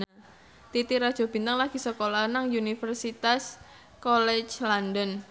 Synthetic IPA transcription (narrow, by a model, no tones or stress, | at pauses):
a | t̪it̪iɾad̥ʒ̥ɔ̤b̥int̪aŋlaɡ̥i̤səkolahnaŋunifərsit̪as | kɔlɛt͡ʃlandɔn